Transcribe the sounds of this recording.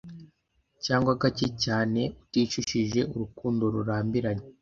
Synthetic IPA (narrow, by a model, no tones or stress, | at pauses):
caːŋɡwaɡacecaːne̞utiːt͡ʃuʃiʒe̞uɾukuːndo̞ɾuɾaːmbiɾaɲe